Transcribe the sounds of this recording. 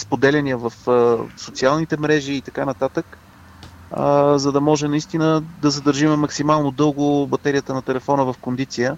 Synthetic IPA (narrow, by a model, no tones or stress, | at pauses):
spod̪ɛlʲɛniəvəfsot̪sialˠnit̪ɛmɾɛʒiːt̪ɐkanɐt̪at̪ək | zɐd̪ɐmɔʒɛnɐist̪inəd̪ɐzəd̪əɾʒimɛmɐksimalˠnod̪ɤlˠɡʊbɐt̪ɛɾijət̪ənɐt̪ɛlɛfɔnəvɐfkond̪it̪sijə